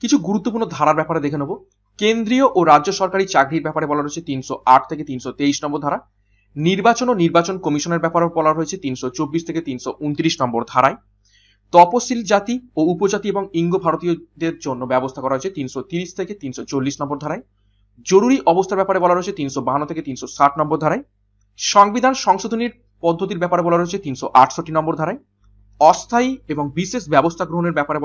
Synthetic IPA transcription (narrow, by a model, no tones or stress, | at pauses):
kit͡ɕʰuɡuɾut̪ːop̬uɾnod̪ʱaɾaɾbɛpaɾed̪ekʰenobo | kend̪ɾioʔoɾadʑoʃɔɾkaɾit͡ɕaɡɽiɾbɛpaɾebɔlaɾɦoet͡ɕʰet̪inʃoaʈʰt̪ʰeket̪inʃot̪eijʃnɔmboɾd̪ʱaɾa | niɾbat͡ɕononiɾbat͡ɕonkɔmiʃoneɾbɛpaɾebɔlaɾɦojet͡ɕʰet̪inʃot͡ɕobːiʃt̪ʰeket̪inʃount̪iɾiʃnɔmboɾd̪ʱaɾae | t̪ɔposild͡ʑat̪ioupod͡ʑat̪ieboŋiŋɡobʱaɾot̪iod̪eɾd͡ʑonːobɛbost̪ʰakɔɾaɦoet͡ɕʰet̪inʃot̪iɾiʃt̪ʰeket̪inʃot͡ɕolːiʃnɔmboɾd̪ʱaɾaej | d͡ʑoɾuɾiʔɔbost̪ʰaɾbɛpaɾebɔlaɾɦoet͡ɕʰet̪inʃobaɦanːot̪ʰeket̪inʃosaʈnɔmboɾd̪ʱaɾaj | ʃɔŋbid̪ʱanʃɔŋʃod̪ʱoniɾ | pɔd̪ʱːot̪̬iɾbɛpaɾebɔlaɾɦoet͡ɕʰet̪inʃoʔaʈʰʃoʈːinɔmboɾd̪ʱaɾaj | ɔst̪ʰaieboŋbisesbɛbost̪ʰaɡɾoɦoneɾbɛpaɾe